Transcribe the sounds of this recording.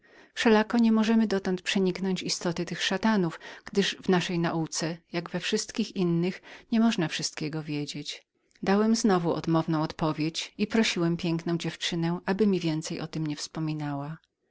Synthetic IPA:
fʂɛlakɔɲɛmɔʐɛmɘd̪ɔt̪ɔnt̪̚pʂɛɲiknɔɲt͡ɕist̪ɔt̪ɘt̪ɘxʂat̪anufɡ̥d̪ɘʐvnaʂɛjnaʔut̪sɛjaɡvɛfʂɘst̪kʲixinːɘxɲɛmɔʐnafʂɘst̪kʲɛɡɔvʲjed͡ʑet͡ɕ | d̪awɛmznɔvuɔ̰d̪mɔvn̪ɔ̃w̃ɔt̪pɔvʲjet͡ɕipɾɔɕiwɛmpʲjɛŋknɔ̃w̃d͡ʑɛft͡ʂɘnɛʔabɘmʲivʲjɛnt̪sɛjʔɔt̪ɘmɲɛfspɔmʲinawa

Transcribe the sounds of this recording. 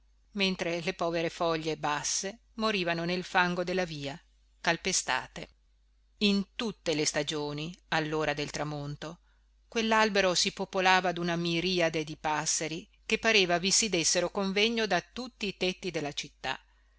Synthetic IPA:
ment̪ɾelepɔːveɾefɔʎːebasːe | moɾiːvanonelfaŋɡod̪elːaviːa | kalpest̪a̰ːt̪e | int̪ut̪ːelest̪ad͡ʒoːnialːoːɾad̪elt̪ɾamont̪o | kwelːalbeɾosipopolaːvad̪unamiɾiːad̪ed̪ipasːeɾi | kepːaɾeːvavisid̪esːeɾokoɱvɛɲːod̪at̪ut̪ːiːt̪ɛt̪ːid̪elːat͡ʃit̪ːa̰

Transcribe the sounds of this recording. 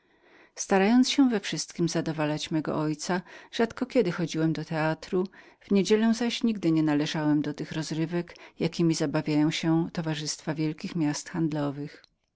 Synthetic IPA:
st̪aɾajɔnsɕɛvɛfʂɘst̪kʲimzad̪ɔvalat͡ɕmɛɡɔ̰ʔɔjt̪saʐ̥at̪kɔkʲɛd̪ɘxɔd͡ʑiwɛmd̪ɔt̪ɛat̪ɾu | vɲed͡ʑɛlɛw̃zaɕɲiɡd̪ɘɲɛnalɛʐawɛmd̪ɔt̪ɘxɾɔzɾɘvɛkjakʲimʲizabavʲjajɔ̃w̃ɕɛt̪ɔvaʐɘst̪favʲjɛlkʲixmʲast̪xand̪lɔvɘx

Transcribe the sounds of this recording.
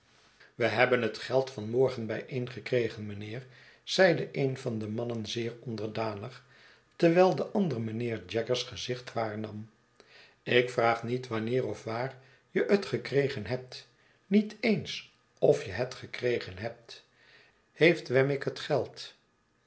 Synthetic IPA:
ʋəɦɛbənɦətχɛlˠtfɑnmɔɹχənbɛjʔejnχəkrejχənmənɪːɹ | z̥ɛjdəʔejnvɑndəmɑnənzɪːɹɔndəɹdaːnəχ | tɛɹʋɛːlˠdəʔɑndərəmənɪːɹd͡ʒɛkəɹsχəzɪχtʋaːɹnɑm | ɪkfraːχnitʋɑnɪːrɔfʋaːr | jəətχəkrejχənɦɛp̚t | nitejns | ɔfjəɦətχəkrejχənɦɛp̚t | hejftʋɛmɪkɦətχɛlˠt

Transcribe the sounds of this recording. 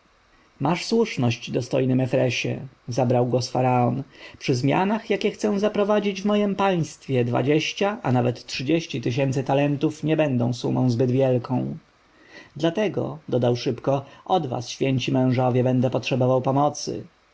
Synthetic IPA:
maʂswuʂnɔɕd͡ʑd̪ɔst̪ɔ̰jnɘmɛfɾɛɕɛ̰zabɾawɡwɔsfaɾaɔnpʂɘzmʲja̰naxjakʲɛxt̪sɛw̃zapɾɔvad͡ʑid͡ʑvmɔjɛmpaj̃st̪fʲjɛd̪va̰d͡ʑeɕt͡ɕaʔanavɛt̪tːʂɘd͡ʑeɕt͡ɕit̪ɘɕ̬ɛnt̪sɘt̪alɛnt̪ufɲɛbɛnd̪ɔ̃w̃sumɔ̃w̃zbɘd̪vʲjɛlkʰɔ̃w̃ | d̪lat̪ɛɡɔ̰d̪ɔd̪awʂɘpkɔʔɔd̪va̰sɕfʲjɛɲt͡ɕimɛ̃w̃ʐɔvʲjɛbɛnd̪ɛpɔtʂɛbɔvawpɔmɔt̪sɘ̰

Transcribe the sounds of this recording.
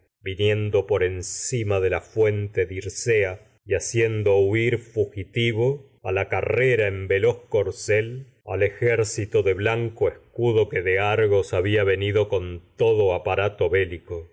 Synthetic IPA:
binje̞nd̪o̞po̞ɾe̞nsimaðe̞lafwe̞nt̪e̞ðiɾsea | iasjend̪ouiɾfuxit̪iβo | alakareɾaembelo̞hko̞ɾsel | a̰le̞xeɾsit̪oðe̞βlaŋkoehskuðo̞keðeaɾɣo̞saβiaβe̞niðo̞ko̞nt̪oðoapaɾat̪o̞βeliko

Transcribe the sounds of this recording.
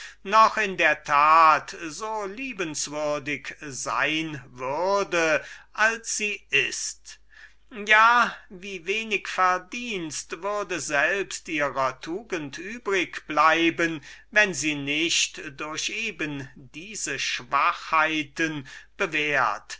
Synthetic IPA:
nɔχɪndeːɐtʰaːtzoːliːbənsv̥ʏɐdɪkza̰ɪnvʏʁɐdəʔalsz̥iːʔɪst | jaːviːveːnɪkfɛɐdiːnstvʏʁdəzɛlpstʔiːʁɐtʰuːɡəntʰʔyːbʁɪkb̥laɪbənvɛnziːnɪʃtdʊɐɕʔeːbəndiːzəʃv̥aχhaɪtənb̥əveːɐt

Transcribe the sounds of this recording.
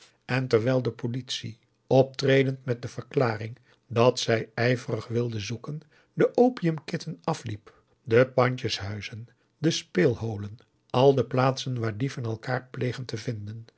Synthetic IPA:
ɛntɛɹʋɛjlˠdəpolitsi | ɔp̚treːjdəntmɛt̚dəv̥əɹklaːrɪŋ | dɑtsɛjɛjvərəχʋɪlˠdənzukən | dəʔowpiəmkɪtənɑflip | dəpɑɲt͡ʃəsɦœɥzən | dəspeːlˠɦowlən | ʔɑlˠdəplaːtsənʋaːɹdivɑnɛlˠkaːɹplejχəntəvɪndən

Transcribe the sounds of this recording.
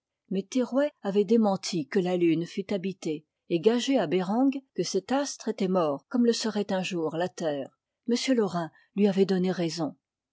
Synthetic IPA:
mɛt̪eʁwɛavɛd̪emɑ̃t̪ʰikəlalynfyt̪abit̪e | eɡaʒeabeʁɑ̃ɡkəsɛt̪ast̪χet̪ɛmɔːʁkɔmləsəʁɛt̪ɛ̃ʒuʁlat̪ɛːʁ | məsjølɔʁɛ̃ | lɥiavɛd̪ɔneʁɛzɔ̃

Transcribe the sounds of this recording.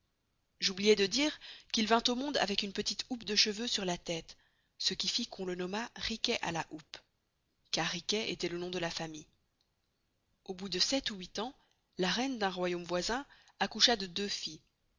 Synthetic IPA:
ʒublijɛd̪əd̪iːʁkilvɛ̃t̪omɔ̃d̪a̰vɛkynpət̪it̪upd̪əʃəvøsyʁlat̪ɛt̪ | səkʲifikʰɔ̃lənɔmaʁikʲɛʔa̰laʔup | kaʁːikʲɛʔḛt̪ɛlənɔ̃d̪əlafamij | obud̪əsɛt̪uwit̪ɑ̃ | laʁɛnd̪ɛ̃ʁwajomvwazɛ̃ | akuʃad̪əd̪øfi

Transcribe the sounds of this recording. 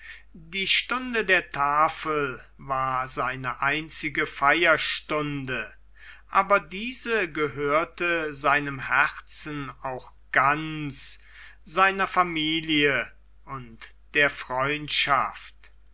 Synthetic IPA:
diːʃtʊndədeːɐtʰaːfəl | vaːɐzaɪnəʔaɪnt͡sɪɡəfajɐʃtʊndə | ʔaːbɐdiːzəɡəɦøːɐtəzaɪnəmhɛʁt͡sn̩aʊx | ɡ̥ans | z̥aɪnɐfamiːljə | ʊnt | d̥eːɐfʁ̥ɔʏntʃa̰ft

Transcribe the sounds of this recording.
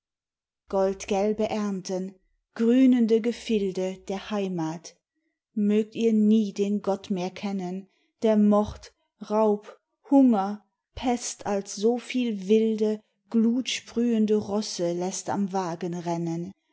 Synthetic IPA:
ɡ̥ɔltɡ̥ɛlbəʔɛɐntən | ɡ̥ʁyːnəndəɡəfɪldəd̥eːɐhaɪmaːt | møːk̚tiːɐniːdeːnɡɔtmeːɐkʰɛnən | d̥eːɐmɔʁt | ʁaʊp | hʊŋɐ | pʰɛstʰalsz̥oːfiːlvɪldə | ɡ̥luːtʃpʁ̥yːəndəʁɔsəlɛsta̰mvaːɡənʁɛnən

